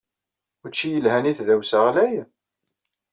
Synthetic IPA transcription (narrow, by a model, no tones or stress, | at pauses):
ʊɾt͡ʃːijəlhæniθðæwsəʁlæj